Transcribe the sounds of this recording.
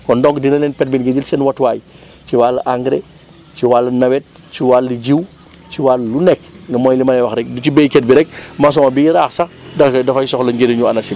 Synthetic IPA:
kɔndɔŋkdinɐlɛːnpɛt̚binɡɐd͡ʒilsɛnwɐtwaːj | t͡ʃiwalːʔaŋɡɾe | t͡ʃiwaːlɐnɐwɛt̚ | t͡ʃiwalːiɟiw | t͡ʃiwalːunɛkŋɡɐmɔːjlimɐɛwɐxɾɛk̚dut͡ʃibejkɛt̚biɾɛk̚mɐs̬ɔmɐbiiɾaːxsɐ | dɐdɐfɐjsɔxlɐŋɡeɾiɲuɐnɐsi

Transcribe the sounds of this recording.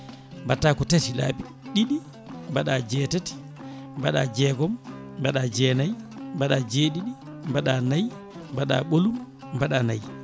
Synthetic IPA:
mbatːaːkɔtatila̰ːɓi | ɗiɗi | mbaɗad͡ʒɛːtati̥ | mbaɗad͡ʒɛːɡɔmbaɗad͡ʒɛːnajmbaɗad͡ʒeːɗiɗi | mbaɗanaj | baɗa̰ːɓolum | baɗanaj

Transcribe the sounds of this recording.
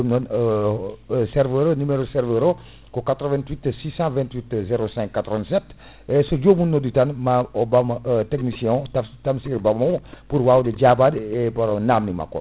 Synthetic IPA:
omnon | sɛɾvəɾonymeɾosɛɾvəɾo | kokat̪ɾəvɛ̃nt̪witsisɑ̃vɛ̃ntwitzeɾosɛ̃ŋkːat̪ɾɔvɛ̃nsɛt | esod͡ʒomunːoditanmaobamteknisjɔ̃tatamsiɾbamompuɾwawded͡ʒabadepaɾonamnima̰ko̰

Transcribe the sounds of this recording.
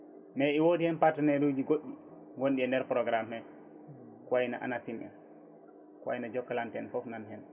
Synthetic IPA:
mɛiwodihɛnpatanɛdud͡ʒiɡoɗːi | ɡonɗiɛndɛɾpɾɔɡɾamːɛ | kwajina̰ʔa̰nasimɛ̰n | kwa̰jnad͡ʒɔkːalantɛnfɔfnanhɛn

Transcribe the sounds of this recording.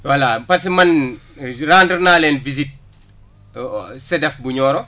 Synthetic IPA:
walapɐsimɐn | raːndərnaːlɛnvizit̚ | sɛdɐfbuɲɔːɾɔ

